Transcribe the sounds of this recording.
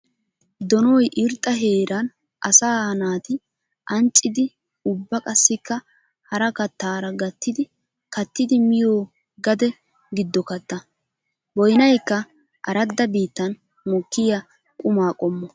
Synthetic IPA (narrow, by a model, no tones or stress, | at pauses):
d̪ɔnɔjʔɪɾt̪ʼːɐɦeːɾʔɐn | ʔɐsaːhɐnaːt̪ɪ | ʔɐnt͡ʃʼːɪd̪ɪ | ʊbːɐkʼɐsːɪkːɐ | hɐɾɐkɐt̪ːaːɾɐɡɐt̪ːɪd̪ɪ | kɐt̪ːɪd̪ɪmɪjoː | ɡɐd̪ɛ | ɡɪd̪ːɔkɐt̪ːɐ | bɔjnɐjkːɐ | ʔɐ̰ɾɐd̪ːɐbiːt̪ːɐn | mɔkːɪjɐ | kʼʊmaːkʼɔmːɔ